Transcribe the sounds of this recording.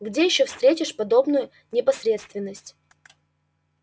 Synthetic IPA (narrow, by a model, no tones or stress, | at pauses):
ɡdʲejɪɕːofst̪ɾʲetʲɪʂpɐd̪o̞bnʊjʊ | nʲɪpɐsʲɾʲe̞t̪st̪vʲɪnːəsʲtʲ